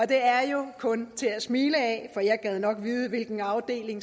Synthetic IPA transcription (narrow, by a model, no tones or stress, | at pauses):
ɒ̽d̥e̝æɐjo̝kʰɔ̽nt͡sʰe̝æsmiːləɛfɒ̽jɑ̈ɪɡ̥ɛð̞̩ˠnɒ̽ɡ̥ʋiːð̞ˠəʋe̝lɡ̥n̩ɑ̈ʊd̥e̝̰ːle̝ŋ